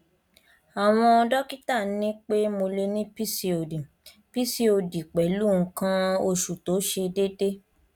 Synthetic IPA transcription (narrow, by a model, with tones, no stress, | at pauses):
a˨w̃ɔ̃˧ɔ˧dɔ˦ki˦ta˦˨n˦nĩ˦k͡pe˦mo˧le˧nĩ˦pi˦si˧o˨dĩ˨ | pi˦si˦o˧di˨k͡pɛ˨˦lu˦˨ŋ̩˦kã˦o˧ʃu˨to˨˦ʃe˧de˦de˦